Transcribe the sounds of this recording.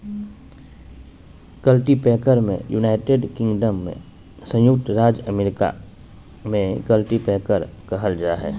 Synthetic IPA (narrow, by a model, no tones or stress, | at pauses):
kəlʈipɛːkəɾmḛ̃juːnaːɪʈeːɖkɪ̃ŋɡɖəmːḛ̃ | sə̃jʊk̚t̪ɾaːd͡ʒəmeːɾɪka̰ | mẽkəlʈipɛːkəɾkəɦəld͡ʒaːɦɛ̰ː